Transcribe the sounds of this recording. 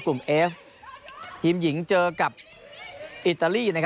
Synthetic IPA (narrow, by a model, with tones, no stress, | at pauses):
ku˨˩mʔɛː˦˥f | hʰi˩˦mji˨˩˦ŋt͡ɕɤː˧ka˨˩p̚ | ʔi˨˩t̪ːaː˧liː˥˩na˧˩kʰ